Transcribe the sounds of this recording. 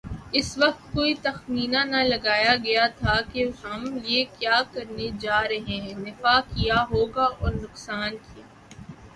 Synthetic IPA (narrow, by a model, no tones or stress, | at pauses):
ɪsʋɐq̚t̪̚koːit̪ɐxmiːnãnɐlɐɡaːjaɡɐjat̪ʰakeɦɐmliekjaːkɐɾned͡ʒaːɾɐɦẽnɪfaːkijaɦoːɡaʔɔːɾnʊqsaːnkijaː